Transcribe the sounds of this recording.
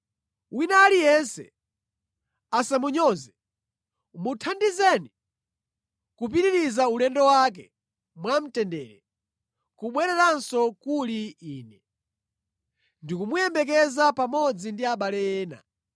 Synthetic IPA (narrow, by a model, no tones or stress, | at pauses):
winalijɛnsɛ̰ | asamuɲɔzɛ | mutʰandizɛni | kup̬iɾiɾizaulɛndɔwak̬ɛ | mwam̩tɛndɛːɾɛ | kuɓwɛɾɛɾansɔkuliiːnɛ | ndikumujɛmbɛk̬ɛzapamɔd͡zindiaɓalɛjɛːna̰